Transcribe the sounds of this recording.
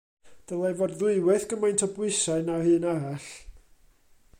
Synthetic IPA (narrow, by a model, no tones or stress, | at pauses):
d̥əlˠajvɔdðʊɨwɛθɡ̥əmajntʰɔbwɪsaɨnahɨːnaɾaɬ